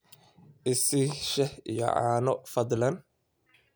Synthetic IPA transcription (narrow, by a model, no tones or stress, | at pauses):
ʔɪsɪʃɛhḭjɔ̰ʕa̰ːnɔfɐd̪lɐn